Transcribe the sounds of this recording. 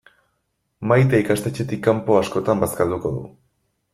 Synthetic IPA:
majt̪aikast̪et͡ʃe̞t̪ikːampo̞asko̞t̪ambaskald̪uko̞ðṵ

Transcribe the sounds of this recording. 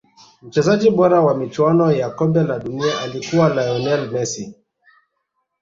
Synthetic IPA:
m̩t͡ʃɛzad͡ʒiɓɔɾawamit͡ʃwanɔjakɔmbɛlaɗuniaʔalikuwalajɔnɛlmɛsi

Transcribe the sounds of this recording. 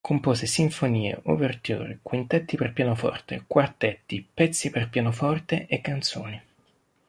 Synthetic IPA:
kʰompoːsesiɱfoniːḛʔuvert̪jṵːɾikwint̪ɛt̪ːiperpjaːnofɔ̰rt̪ekwart̪ɛt̪ːipɛt̪sːiperpjaːnofɔrt̪eʔekːant̪so̰ːni

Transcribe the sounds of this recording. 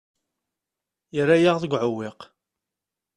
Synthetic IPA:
jəɾajaʁðəɡʷʕʊwɪq

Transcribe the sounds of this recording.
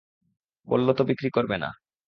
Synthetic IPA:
bo̰lːot̪obikɾikoɾbena̰

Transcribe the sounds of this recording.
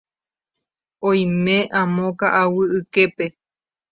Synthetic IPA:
õj̃mẽʔãmõkaʔawɨɨkepe̞

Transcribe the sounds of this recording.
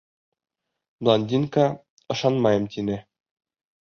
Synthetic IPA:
blˠonʲd̪ʲiŋkɑ | ɤ̆ʃɑnmɑjɤmt̪inɘ

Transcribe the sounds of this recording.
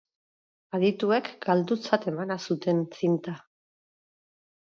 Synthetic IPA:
aðit̪ue̞kɡ̥ald̪ut͡sat̪e̞manasut̪e̞nt͡sint̪a

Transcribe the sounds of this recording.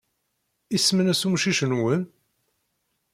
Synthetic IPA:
ismənæsumʃiʃənwən

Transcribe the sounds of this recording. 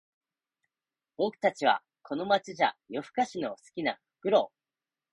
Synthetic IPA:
bo̞kɯ̟̥t̪at͡ɕiβa̰ | kʰo̞no̞mat͡ɕiʑa̰jo̞ɸɯ̟̥kaɕino̞sɨ̥kʲina̰ɸɯ̟̥kɯ̟ɾo̞ː

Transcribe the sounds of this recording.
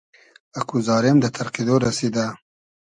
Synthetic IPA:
akuzɑːɾɪmd̪ət̪ʰaɾqied̪oɾased̪a

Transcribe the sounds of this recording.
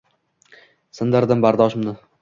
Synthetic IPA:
sɨnd̪ɪɾd̪ɪmbaɾd̪ɒʃɪmnɪ

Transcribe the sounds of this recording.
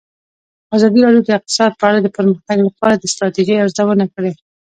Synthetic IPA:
azɑd̪iɾɑɖjod̪əɪq̚t̪ɪ̥sɑd̪̚pəaɽad̪əpəɾməxt̪aɡlapɑaɾad̪əst̪ɾɑt̪eʒiawzawənakəɽe

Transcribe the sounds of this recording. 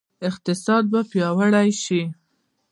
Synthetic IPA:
ɪqt̪ɪsɑd̪̚bapjɑwəɽajʃi

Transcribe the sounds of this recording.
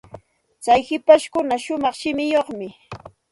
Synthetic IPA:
t͡sajhɪpaʃkʊnaʃʊmɑχʃɪmɪjoχmɪ

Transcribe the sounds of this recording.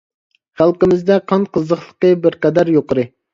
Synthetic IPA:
χælˠqəmɪzd̪ɛqʰɑnqəzəχlˠəqəbɪɾqɛd̪æɾjoqəɾɨ

